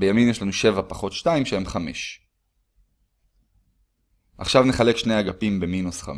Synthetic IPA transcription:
bejamimjeʃlanuʃe̞vapaχo̞tʃtaimʃehemχameʃ | ʔaχʃavneχale̞kʃnejaɡapimbe̞minusχa̰m

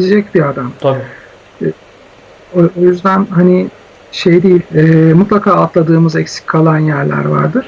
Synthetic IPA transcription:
ed͡ʒɛcbiad̪am | oojyzd̪ænhani | ʃejd̪ejilʲɛːmut̪lˠakʰaːt̪lˠad̪ɯːmɯzɛcsi̥cʲʰːalˠanjæɾlʲæ̰ɾva̰ɾd̪ɯɾ̥

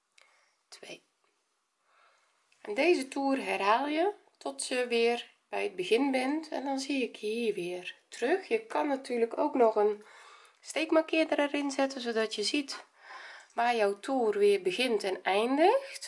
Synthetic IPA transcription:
tʰʋej | ɛndeːzətuːrɦɛrɦaːlˠjə | tʰɔtʰjəʋɪːr | b̥ɛjəd̚bəɣɪnbɪntɛ̰ndɔnziɪkhiːrʋɪərtrøxjəkʰɑnːatʰyːrləko̰wknɔxən | steːkmakɪədərɛrɪnzɛtəzowdɔtjəzit | ʋaːrjɔwtʰuːrʋɪːrbəɣɪntɛnɛjndəxt

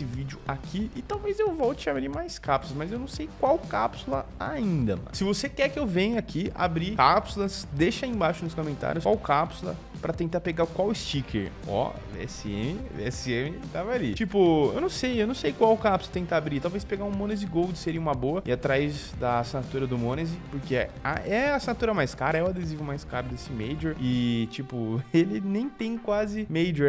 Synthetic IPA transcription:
sɪvid͡ʒʊakiɪt̪awvezewvɔwt͡ʃɪabɾimajskapsulˠɐsmɐzewnɐ̃w̃sejkwawkapsulɐ̰aĩnd̪ɐsɪvosekɛɾkɪewvẽɲʊakia̰bɾikapsulɐsd̪eʃɐẽj̃baʃʊnʊskõmẽnt̪a̰ɾjʊswawkapsulɐ̰ | pɾɐt̪ẽnt̪aɾpeɡakwawɪst͡ʃikʰḛɾ | ɔ̰ | bḛɛ̰sɪḛ̃mɪbḛɛsɪẽmɪt̪avɐalit͡ʃipʊḛwnɐ̃w̃sejewnɐ̃w̃sejkwawkapsulɐt̪ẽt̪aːbɾit̪awvespeɡaũmõnezɪɡowd͡ʒɪseɾĩũmɐboɐɪat̪ɾajzd̪ɐːsinat̪uɾɐd̪ʊmõnezɪpoɾkea̰ʔɛɐasinat̪uɾɐmajskaɾɐɛʊad̪ezivõmajskaɾʊd̪esɪmejd͡ʒeɾɪt͡ʃipʊelɪnẽj̃t̪ẽj̃kwazɪmejd͡ʒe

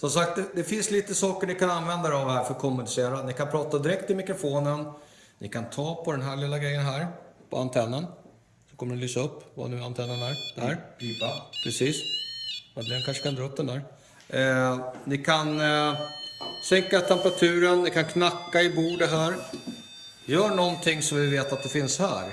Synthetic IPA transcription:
sɔmsak̚t̪̚d̪ɛd̪ɛfɪnsliːt̪əsɑːkəɳɪkananvɛnd̪aɾɛavhæːɾfœɾkʰɔmːɵnɪseːɾanɪkʰanpʰɾɑːt̪ad̪ɪɾɛk̚t̪ɪlmɪkɾʊfoːnən | nʔɪkʰant̪ʰɑːpʰɔd̪ɛnɦæːɭɪlːaɡɾɛjːənɦæːɾpʰɔ̰a̰nt̪ʰɛnːən | sɔ̥kʰɔmːəɖɛnlyːsaɵpːva̰nʉ̟ːant̪ʰɛnːənæɾd̪ɛhæːɾiːvapʰɾɛsiːs | mɛd̪eːɛnkʰanʂəkʰand̪ɾɑːɵpd̪ɛnd̪æːɾ | nɪkʰan | sɛŋkat̪ʰɛmpɾat̪ʰʉ̟ːɾənːɪkʰankʰnakːaɪbuːɖɛɦæːɾ | jœːɳɔnt̪ʰɪŋːsɔmvɪveːt̪at̪̚d̪ɛfɪnshæ̰ːɾ

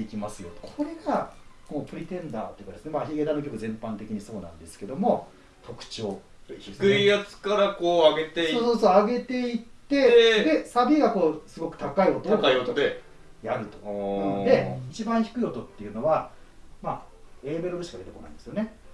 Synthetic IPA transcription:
ikʲimasɨjo̞t̪ːkʰo̞ɾe̞ɡako̞ːpɯ̟ɾʲit̪ẽ̞nd̪a̰ːt̪ːoiɯ̟kad̪esɨne̞maçiɡe̞t̪anok̬ʲo̞kɯ̟zẽ̞mpãnt̪e̞kʲiɲ̟iso̞ːnã̰nd̪e̞sɨ̥ke̞d̪o̞mo̞ | t̪ʰo̞kɯ̟̥t͡ɕioː | eskɯijat͡sɨ̥kaɾakoːaɡe̞t̪esoːsoːsoːaɡe̞t̪e̞it̪ːe̞d̪e̞sabʲiɡako̞ːsɨɡo̞kɯ̥t̪akaio̞t̪oaiot̪od̪e | jaɾɯ̟t̪od̪e̞it͡ɕibãɰ̃çi̥kɯ̟io̞t̪o̞t̪ːe̞iɯ̟no̞βa | mae̞ːmeɾobɯ̟ɕi̥kad̪e̞t̪eko̞na̰ĩd̪esɨjo̞ne̞

